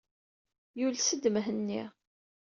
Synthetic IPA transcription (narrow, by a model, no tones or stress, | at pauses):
julsəd̪məɦənːi